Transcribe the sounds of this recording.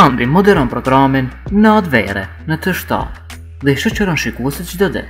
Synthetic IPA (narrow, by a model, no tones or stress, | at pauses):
and̪imɔd̪ɛɾɔnpɾɔɡɾaminːəat̪vɛ̰ɾɛ̰ | nət̪əʃt̪a̰ | ðɛʃɔt͡ʃəɾɔnʃikuɛsit̪t͡ʃd̪ɔd̪ɛ̰